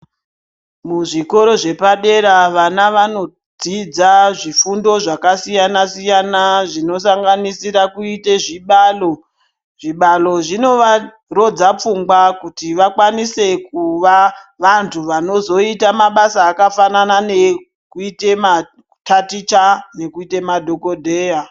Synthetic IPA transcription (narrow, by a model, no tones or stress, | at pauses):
muʐiko̞ɾo̞ʐe̞paɗe̞ɾaʋanaʋano̞ | d͡zid͡zaʐifundo̞ʐakasijanasijanaʐino̞saŋɡanisiɾakuite̞ʐiɓalo | ʐiɓalo̞ʐino̞ʋa | ro̞d͡zap͡fuŋɡwakutiʋakwanise̞kuʋaʋantʰuʋano̞zo̞itamaɓasaːkafananane | kuitema | tatit͡ʃane̞kuite̞madʱo̞ko̞dʱeːja